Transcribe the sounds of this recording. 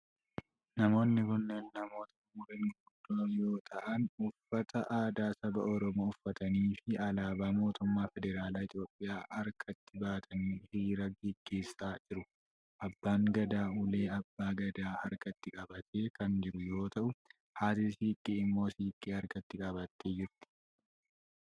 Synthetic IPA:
nɐmo̞ːnːɪkʊnːeːnːɐmo̞ːt̪ɐʊmʊɾɪnɡʊd̪ːoːjo̞ːt̪ʰʼɐʔɐnʊfːɐt̪ʰɐʔaːd̪aːsɐbɐ̰ʔɔɾɔmoːʊfːɐt̪ɐniːfɪɐlaːbaːmo̞ːt̪ʊmːaːfɛd̪ɛɾaːlaːɪt̪jo̞ːpʼːɪjaːhɐɾkʰɐt̪ːɪbaːt̪ʰɐniːhiːɾɐɡɛɡːe̞ːsːaːd͡ʒɪɾʊ | ʔɐbːaːŋɡɐd̪aːʊleːɐbːaːɡɐd̪aːhɐɾkɐt̪ːɪkʼɐbɐt̪ʰeːkɐnd͡ʒɪɾʊjo̞ːt̪ɐʔʊ | haːt̪ɪsiːkʼːiːɪmːo̞ːsiːkʼːiːhɐɾkɐt̪ːɪkʼɐbɐt̪ːeːd͡ʒɪɾt̪ɪ̥

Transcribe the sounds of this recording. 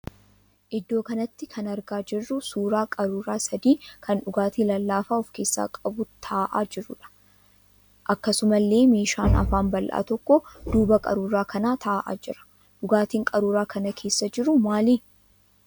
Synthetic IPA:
ʔɪd̪ːo̞ːkɐnɐt̪ːɪkʰɐnɐɾɡaːd͡ʒɪrːʊsuːɾaːkʼɐɾuːɾaːsɐd̪iːkʰɐnᶑʊɡaːt̪iːlɐlːaːfaːɔfkeːsːa̰ːkʼɐbʊt̪ʰaːʔaːd͡ʒɪrːʊᶑɐ̥ | ʔɐkːɐsʊmɐlːe̞ːmeːʃaːnɐ̰faːnbɐlʔa̰ːt̪ɔkːɔd̪̥uːbɐkʼɐ̰ɾuːɾaːkʰɐnaːt̪ʰɐːʔa̰ːd͡ʒɪɾɐ̥ | ᶑʊɡaːt̪iːŋkʼɐɾuːɾaːkʰɐnɐkʰe̞ːsːɐd͡ʒɪɾʊmaːliː

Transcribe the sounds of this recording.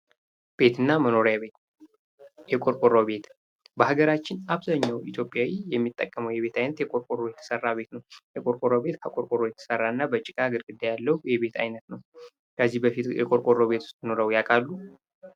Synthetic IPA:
b̥e̞t̪ʰɨnːaməno̞ɾjaβet̪ | jɛkʼoɾkʼoɾobe̞t̪ | bəhaɡəɾat͡ʃːɪnaβzaɲːawit̪ʰjo̞pʼjawijɛmːit̪ʼːəkʼːəməwjɛβe̞t̪ʰajnət̪jɛkʼo̞ɾkʼoɾojɛt̪ʰə̥sərːaβbe̞t̪nəwjɛkʼoɾkʼoɾobe̞t̪kʰakʼoɾkʼoɾːojɛt̪ʰə̥sərːanːabət͡ʃʼːɪkʼaɡɨɾɡɨd̪ːajalːəwjɛbe̞t̪ʰa̰jnət̪nəw | kʰəzːihbəfit̪jɛ̰kʼo̞ɾkʼoɾːoβe̞t̪ʰu̥st̪ɨnoɾəwjakʼalːu

